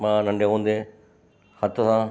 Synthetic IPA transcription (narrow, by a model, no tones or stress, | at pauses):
mãːnɐ̃ɳɖʱeɦũːnd̪eː | hɐt̪əsãː